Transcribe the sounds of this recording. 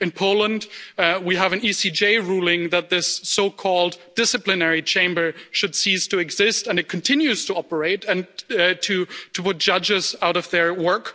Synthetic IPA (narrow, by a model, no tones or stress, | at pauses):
ɨ̃npʰoʊlˠə̃ndwiəvɨ̃nisid͡ʒeɪɹulˠɪ̃ŋðət̪̚ðɪsːoʊkʰɔlˠd̥ːɪsɨplɨnɛɹit͡ʃʰẽɪ̃mbə˞ʃɨd̥sistʰɨːɡz̥ɪstɨ̃nɨt̚kʰn̩tʰɪ̃njʉz̥tʰəɑpə˞eɪɾɨ̃ntʰɨtʰəpʊt̚d̥ʒ̥ʌd͡ʒɪzaʊɾʌvðə˞wɜ˞k